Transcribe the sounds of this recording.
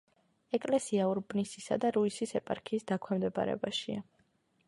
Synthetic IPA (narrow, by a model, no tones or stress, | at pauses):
ɛkʼlɛsiauɾbnisisa̰d̪aɾuisisɛpʼaɾkʰiːsd̪akʰwɛmd̪ɛba̰ɾɛ̰baʃia